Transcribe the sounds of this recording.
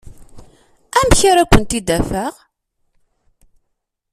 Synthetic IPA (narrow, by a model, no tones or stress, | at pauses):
æmçaɾækʷːənt̪id̪æfæʁ